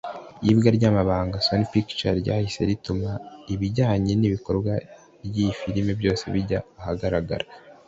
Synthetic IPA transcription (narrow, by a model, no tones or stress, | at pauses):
ibɡaɾɟaːmaβaːŋɡaso̞nipikt͡ʃaɾɟa̰ːhise̞̰ɾitumaiβiɟaːɲe̞niβiko̞ɾɡwa | ɾjifiɾime̞bjo̞ːse̞̰βiɟaːhaɡaɾaɡa̰ɾa